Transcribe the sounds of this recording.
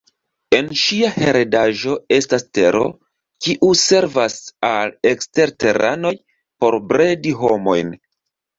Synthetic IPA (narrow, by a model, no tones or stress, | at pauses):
e̞nʃiahe̞ɾedaʒo̞e̞staste̞ɾo̞̰ | kiʔuse̞ɾvasale̞kste̞ɾte̞ɾa̰no̞j | po̞ɾbɾe̞diɦo̞mo̞̰jn